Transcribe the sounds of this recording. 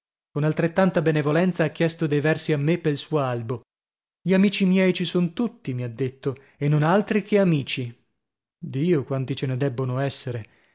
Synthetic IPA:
konalt̪ɾet̪ːant̪abenevolɛnt̪saak̟ːjɛst̪od̪ejvɛrsiamːepːelsuːoalbo | ʎiamiːt͡ʃimjɛjt͡ʃisont̪ut̪ːimiad̪ːet̪ːo | enːonalt̪ɾikʰeamiːt͡ʃi | d̪iːokwant̪it͡ʃened̪ɛbːonoɛsːeɾe

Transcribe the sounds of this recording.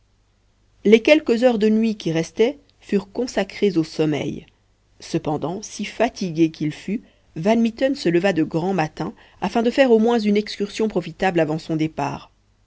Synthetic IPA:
lɛkɛlkəzœʁd̪ənɥikʲiʁɛst̪ɛ | fyʁkɔ̃sakχezosɔmɛ̰j | səpɑ̃d̪ɑ̃sifat̪iɡʲekilfy | vanmit̪ɔnsələvad̪əɡʁɑ̃mat̪ɛ̃ | afɛ̃d̪əfɛʁomwɛ̃zynɛkskʲyʁsjɔ̃pχɔfit̪ablavɑ̃sɔ̃d̪epa̰ːʁ

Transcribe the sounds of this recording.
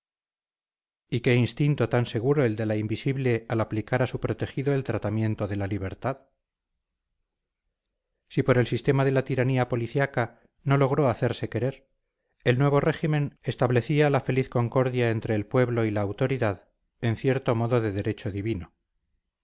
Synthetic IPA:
ike̞inst̪int̪o̞t̪anse̞ɣ̞uɾo̞e̞ld̪e̞laimbisiβle̞alaplikaɾasupɾo̞t̪e̞xiðo̞e̞lt̪ɾat̪amje̞nt̪o̞ðe̞laliβe̞ɾt̪að | sipo̞ɾe̞lsist̪e̞maðe̞lat̪iɾaniapo̞liθjaka | no̞lo̞ɣ̞ɾo̞aθe̞ɾse̞ke̞ɾe̞ɾ | e̞lnwe̞β̞o̞re̞ximẽ̞ne̞st̪aβle̞θialafe̞liθko̞ŋko̞ɾðjae̞nt̪ɾe̞ːlpwe̞βlo̞ilaːwt̪o̞ɾiðað | e̞n̟θje̞ɾt̪o̞mo̞ðo̞ðe̞ðe̞ɾe̞t͡ʃoðiβino

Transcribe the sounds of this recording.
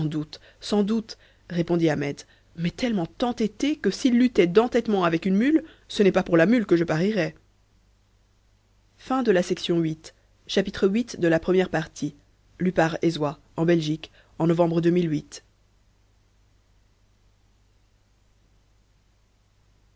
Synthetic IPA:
d̪ut̪ | sɑ̃d̪ut̪ | ʁepɔ̃d̪iamɛd̪ | mɛt̪ɛlmɑ̃t̪ɑ̃t̪et̪ekəsilːyt̪ɛd̪ɑ̃t̪ɛt̪mɑ̃avɛkynmyl | sənɛpapuʁlamylkəʒəpaʁiʁɛ | fɛ̃d̪əlasɛksjɔ̃ɥit̪ | ʃapit̪χəɥit̪d̪əlapχəmjɛʁpaʁt̪ʰi | lypaʁezwa | ɑ̃bɛlʒik | ɑ̃nɔvɑ̃bʁəd̪ømilɥit̪

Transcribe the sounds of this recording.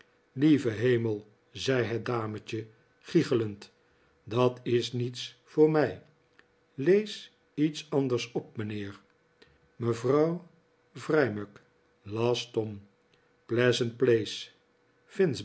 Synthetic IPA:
livəɦejməlˠ | zɛjɦət̚daːmət͡ʃə | χiχələnt | dɑtɪsnitsfʊːɹmɛj | lejs | itsɑndəɹsɔp̚mənɪːɹ | məvrɑw | vrɛjmək | lɑːstɔm | plɛzənt̚plejs | fɪns

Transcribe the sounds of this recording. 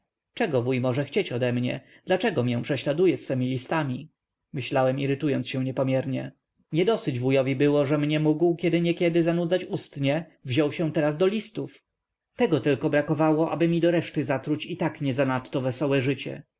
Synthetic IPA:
t͡ʂɛɡɔvujmɔʐɛxt͡ɕet͡ɕɔd̪ɛmɲɛ̰ | d̪̥lat͡ʂɛɡɔmʲjɛ̃pʂɛɕlad̪ujɛsfɛmʲilʲist̪amʲi | mɘɕlawɛmiɾɘt̪ujɔnsɕɛ̃w̃ɲɛpɔmʲjɛɾɲɛ | ɲɛd̪ɔsɘd͡ʑvujɔvʲibɘwɔʐɛmɲɛmuɡwkʲɛd̪ɘɲɛkʲɛd̪ɘzanud̪zat͡ɕust̪ɲɛvʑɔwɕɛ̃t̪ɛɾazd̪ɔlʲist̪uf | t̪ɛɡɔt̪ɘlkɔbɾakɔvawɔʔa̰bɘmʲid̪ɔɾɛʂt̪ɘzat̪ɾut͡ɕit̪akɲɛzanat̪ːɔvɛsɔwɛʐɘt͡ɕɛ̰

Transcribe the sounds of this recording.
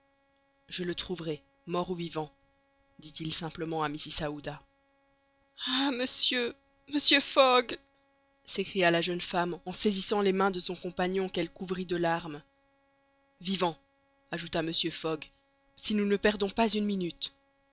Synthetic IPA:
ʒələt̪χuvʁɛ | mɔʁuvivɑ̃ | d̪it̪ilsɛ̃pləmɑ̃amisisaud̪a | aməsjø | məsjøfɔɡ | sekχijalaʒənfamɑ̃sezisɑ̃lemɛ̃d̪əsɔ̃kɔ̃paɲɔ̃kɛlkuvʁid̪əlaʁm | vivɑ̃ | aʒut̪aməsjøfɔɡ | sinunəpɛʁd̪ɔ̃pazynminyt̪

